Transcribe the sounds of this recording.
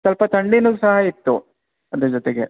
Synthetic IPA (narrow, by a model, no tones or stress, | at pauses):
sɐlpɐt̪ɐɳɖinuɡsɐɦɐit̪ːu | ɐd̪ed͡ʒot̪eɡḛ